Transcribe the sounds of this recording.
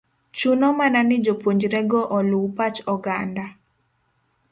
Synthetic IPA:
t͡ʃunɔmananɪd͡ʒopoɲd͡ʒɾɛɡɔʔɔluwpat͡ʃɔɡanda

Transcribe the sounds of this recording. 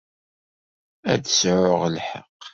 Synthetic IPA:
æðsʕʊʁlħə̰q

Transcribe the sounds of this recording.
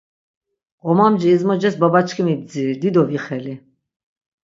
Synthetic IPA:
qʼɔmamd͡ʒɛːzmɔd͡ʒɛsbabat͡ʃʰkʰimib̚d͡ziːɾd̪id̪ɔviχɛli

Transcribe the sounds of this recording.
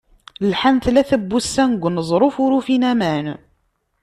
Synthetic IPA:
lħant̪læθæbːusːænɡʷːnəzˤɾˤofʊɾufinæmæn

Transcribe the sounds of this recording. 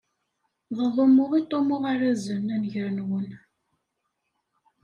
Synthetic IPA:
ðˤəlˤomːʊʁit̪ˤːomʊʁaɾæzənænʝəɾənwən

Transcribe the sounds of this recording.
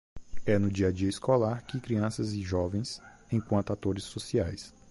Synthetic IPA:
ɛnʊd͡ʒiɐd͡ʒiɐɪskolaɾkɪkɾiɐ̃sɐzɪʒɔvẽj̃s | ẽj̃kwɐ̃nt̪ʊat̪oɾɪsːosiajs

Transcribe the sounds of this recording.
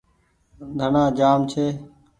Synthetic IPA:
d̪ʱənãːd͡ʒaːmt͡ʃʰeː

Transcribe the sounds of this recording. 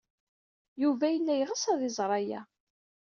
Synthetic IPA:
juvæjənːæjʁəsæðɪzˤɾˤɑjæ̰

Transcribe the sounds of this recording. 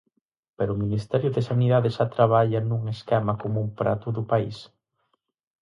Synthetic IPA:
peɾʊminist̪ɛɾjʊðesaniðaðeʃat̪ɾaβ̞aʎɐnuŋeskɛmɐkomumpɾat̪ʊðʊpaḭs

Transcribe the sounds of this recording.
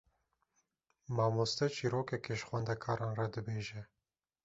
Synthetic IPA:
mɑːmost̪ɛt͡ʃʰiːɾoːkɛkeʃxwɛnd̪ɛkʰɑːɾɑːnrɑd̪ɨbeːʒɛ

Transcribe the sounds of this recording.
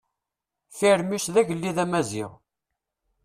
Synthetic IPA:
fiɾmisðæʝəlːiðæmæzḭʁ

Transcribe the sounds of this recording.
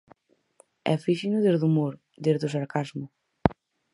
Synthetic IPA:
ɛ̰fiʃinʊðezðumoɾ | d̪ezðʊsaɾkazmʊ

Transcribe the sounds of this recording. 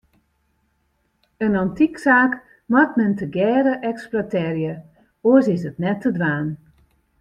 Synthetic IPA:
ənɑntiksaːk | mɔtmɛntəɡɛːɾəʔɛksplatɛːrjə | oəsɪsətnɛtːədʋaːn

